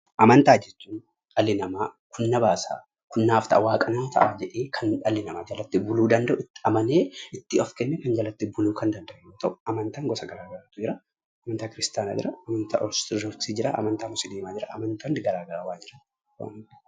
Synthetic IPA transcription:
ʔɐmɐnt̪aːd͡ʒɛt͡ʃːuːn | ɐlːɪnɐmaː | kʊnːɐbaːsa̰ː | kʊnːaːft̪ɐʔawaːkʼɐnɐt̪ʰɐ̰ʔaːd͡ʒɛᶑeːkʰɐnɐlːɪnɐmaːd͡ʒɐlɐt̪ːɪbʊluːd̪ɐnd̪ɐʔʊɪt̪ːɪɐmɐneːɪt̪ːɪɔfkɛnːɛkɐnd͡ʒɐlɐt̪ːɪbʊluːkɐnd̪ɐnd̪ɐʔɛjoːt̪ɐʔʊʔɐmɐnt̪aːŋɡɔsɐɡɐɾaːɡɐɾaːt̪ʊd͡ʒɪɾɐ | ɐmɐnt̪aːkɪɾɪst̪aːna̰ːd͡ʒɪ̰ɾɐɐmɐnt̪a̰ʔɔɾst̪ɪɔɾt̪iːd͡ʒɪɾa̰ʔɐ̰mɐnt̪aːmʊsɪd̪eːmaːd͡ʒɪɾɐ̰ʔɐmɐnt̪ɐnd̪ɡɐɾaːɡɐɾawaːd͡ʒɪɾɐ | wa̰ːn

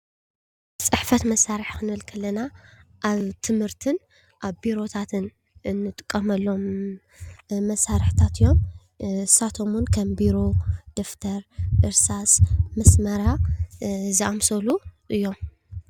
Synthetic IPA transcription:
t͡sʼɨħfɐt̪mɐsːaɾɨħkɨnɨβɨlkʰɐlːɐnaʔaβt̪ʰɨmhɨɾt̪ʰɨn | ʔaβbiɾo̞t̪ʰat̪ʰɨn | ɨnːɨt̪ʼɨ̥kʼːɐmɐlːo̞m | ɐsːaɾɨħt̪ʰat̪ɨjːo̞m | sat̪ʰomunkʰɐmbiɾo̞d̪̥oft̪ʰɐɾʔɨɾsasmɐsmɐɾa | zɨamsɐluʔɨjːo̞m

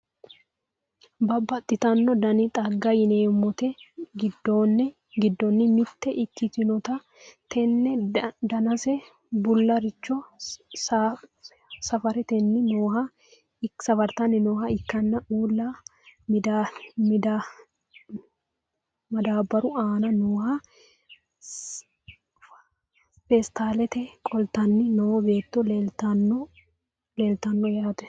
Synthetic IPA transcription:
bɐbɐt̪ʼːɪt̪ɐnːɔd̪ɐnɪt̪ʼɐɡːɐjɪneːmːɔt̪ɛɡɪd̪ːonːɛ | ɡɪd̪ːɔnːɪmɪt̪ːɛʔɪkːɪt̪ɪnɔt̪ɐ | t̪ʰɛnːɛd̪ɐnɐsɛ | bʊlːɐɾɪt͡ʃːɔs | sɐfɐɾɛt̪ɛnːɪnoːhɐ | ɪsɐfɐɾt̪ɐnːɪnoːhɐɪkːɐnːɐuːlːamɪd̪amɪd̪a | mɐd̪aːbɐɾʊaːnɐnoːhɐ | fest̪aːlɛt̪ɛkʼɔlt̪ɐnːɪnoːɔbe̞ːt̪ːɔlelt̪ɐnɔ | leːlt̪ɐnːɔjaːt̪ɛ̥

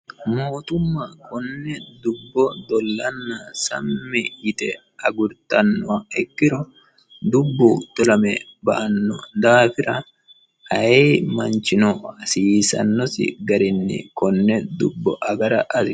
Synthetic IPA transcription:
moːt̪ʊmːakɔnːɛd̪ʊbːɔd̪ɔlːɐnːɐsɐ̰mːɛɪt̪ɛ | ɐɡʊɾt̪ɐnːɔɐɛkːɪɾɔ | d̪ʊbːɔt̪ɔlɐmɛbɐʔɐnːɔd̪aːfɪɾɐ | ɐemɐnt͡ʃɪnɔɐsiːsɐ̰nːɔsɪ̰ɡɐɾɪnːɪ̰kɔnːɛd̪ʊbːɔʔɐɡɐɾɐʔɐsɪ

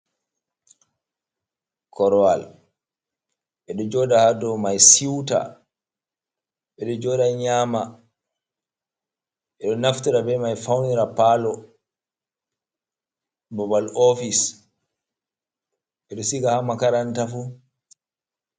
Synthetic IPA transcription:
kɔɾɔwal | ɓɛɗɔd͡ʒɔːdahadɔmajsiwta̰ | ɓɛɗɔd͡ʒɔːdaɲaːma | ɓɛɗɔnaftiɾabɛmajfawniɾapaːlɔ | bɔbalɔfis | ɓɛɗɔsiɡahamakaɾantafu

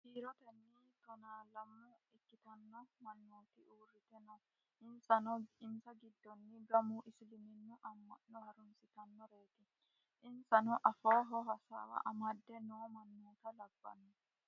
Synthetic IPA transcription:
hiːɾɔt̪ɛnːɪt̪ɔnaːlɐmːʊɪkːɪt̪ɐnːɔmɐnːoːt̪ɪʔuːrːɪt̪ɛnɐw | ʔɪnsɐnɔɪmsɐɡɪd̪ːɔnːɪɡɐmʊʔɪslɪmɪnːʊʔɐmːɐ̰nːɔhɐɾʊnsɪt̪ɐnːɔɾeːt̪ɪ | ɪnsɐnɔʔɐfoːɦɔɦɐsa̰ːwɐ̰ʔɐmɐd̪ːɛnoːmɐnːoːt̪ɐlɐbːɐ̰nːɔ

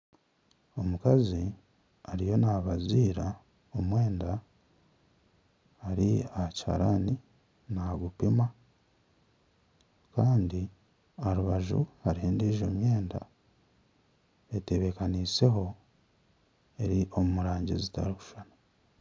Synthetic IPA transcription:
o̞mukazi | aɾijo̞naːβaziːɾa | omwe̞ːnda | ɾiahacha̰ɾani | naɡupima | kaːndi | aɾuβaʒṵhaɾiheːndiʒomje̞ːnda̰ | e̞te̞βe̞kaniːse̞ɦo̞ | e̞ɾiʔo̞mumuɾaːɲɟizita̰ɾiku̥ʃana

